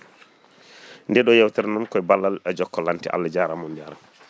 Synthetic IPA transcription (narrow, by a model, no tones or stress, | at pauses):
ndɛɗɔjɛwtɛɾnɔnkɔjbalːalɛd͡ʒɔkːɔlantiʔa̰lːad͡ʒaːɾamɔndiaɾa